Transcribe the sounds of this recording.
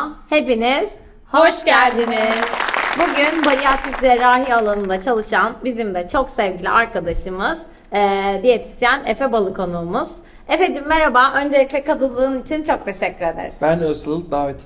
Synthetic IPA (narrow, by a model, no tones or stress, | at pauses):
he̞piniz̥ | ho̞ʃɟælʲd̪iniz̥buɟynbaɾijaːt̪ʰikd͡ʒeɾaːɦialˠanɯnd̪at͡ʃʰalˠɯʃanbizimd̪ɛt͡ʃʰo̞ksɛvɟilʲḭʔaɾkad̪aʃɯmɯz̥ː | d̪ijet̪ʰi̥sjænefɛbalˠɯkʰo̞nuːmuz̥ | efed̪imːeɾabaːʔø̞nd͡ʒelʲiclʲɛkad̪ɯlˠːɯːnit͡ʃʰint͡ʃʰo̞k̚t̪ʰe̞ʃɛcʰːyɾe̞d̪æ̰ɾi̥sbænøsˠɯd̪aːvit̪ʰ